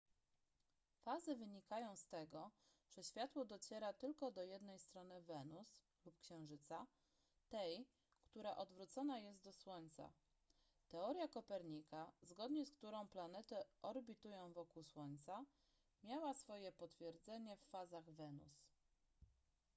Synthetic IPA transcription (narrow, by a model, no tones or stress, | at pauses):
fazɘvɘɲikajɔ̃w̃st̪ɛɡɔ | ʐ̥ɛɕfʲjat̪wɔd̪ɔt͡ɕɛɾat̪ɘlkɔd̪ɔjɛd̪nɛjst̪ɾɔnɘvɛnus | lupkɕɛ̃w̃ʐɘt̪sa | t̪ɛj | kt̪uɾaʔɔd̪vɾut̪sɔnajɛst̪̚d̪ɔswɔɲt̪sa̰ | t̪ɛɔɾjakɔpɛɾɲikazɡɔd̪ɲɛskt̪uɾɔ̃w̃planɛt̪ɛʔɔɾbʲit̪ujɔ̃w̃vɔkuwswɔɲt̪sa | mʲjawasfɔjɛpɔt̪fʲjɛɾd̪zɛɲɛfːazaɣvɛnṵs